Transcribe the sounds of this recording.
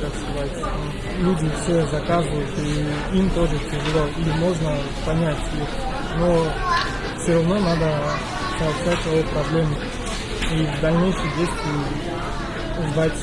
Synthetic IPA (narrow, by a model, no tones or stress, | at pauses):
əsʲɪvat̪ʲ | lʲudʲɪfsʲezɐkazɨvəjʊt̪əi | imt̪oʐɨtʲɾʲɪʐɨlʲoimo̞ʐnə | pɐnʲætʲix | no | fsʲoɾɐvnonad̪ə | pɐlˠʂat̪̚ʲɐjopɾɐblʲemɨ | ivd̪ɐlʲnʲejʂɨjdʲejsʲt̪ʲvʲɪ | zd̪atʲ